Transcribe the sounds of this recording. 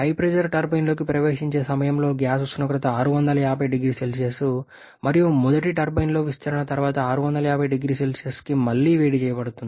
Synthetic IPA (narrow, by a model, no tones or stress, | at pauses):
pɐjpɾed͡ʒɐɾʈɐɾbɐjnlo̞ːkipɾɐʋe̞ːʂiɲt͡ʃe̞ːsɐmɐjɐmlo̞ːɡjaːsust̪unɐkɾɐt̪ɐaːɾuʋɐnd̪ɐlɐjaːbʱɐjɖiɡɾiːselsesu | mɐɾijumud̪ɐʈiʈɐɾbɐjnlo̞ːʋiʃt͡ʃɐɾɐɳɐt̪ɐɾuʋaːt̪ɐaːɾuʋɐnd̪ɐlɐjaːbʱɐjɖiɡɾiːselseskimɐlːiːʋe̞ːɽit͡ʃɛːjɐpɐɽut̪und̪i